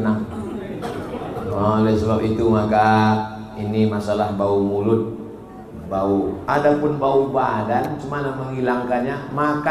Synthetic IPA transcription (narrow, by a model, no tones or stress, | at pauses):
naŋ | alasəbapit̪umaka | inimasalahbaumulʊt̪̚ | bauadapʊnbaubadant͡ʃumanaməŋɦilaŋkaɲamaka